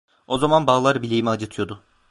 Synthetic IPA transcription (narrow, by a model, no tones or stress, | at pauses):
o̞zamanbaːlˠaɾbilʲiːimiad͡ʒɯt̪ʰɯjo̞d̪ʊ